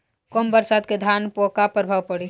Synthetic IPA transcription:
kombəɾsaːd̪ked̪ʱaːnpoːkapəɾbʱaːʋpɐɽi

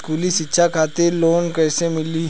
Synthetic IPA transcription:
kuːliʃɪtːʃʰakʰaːt̪eɾloːnkɛːsemɪli

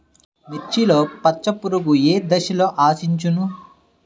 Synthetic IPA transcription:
mit͡ʃːilo̞ːpɐt͡ʃːɐpuɾuɡueːd̪ɐʃɐlo̞ːʔaːsiɲt͡ʃunu

